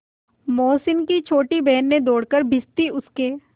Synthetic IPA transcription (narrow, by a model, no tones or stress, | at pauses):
moːsɪnkit͡ʃʰoːʈibɛɦnːẽd̪oːɽkəɾbʱɪst̪iʊskeː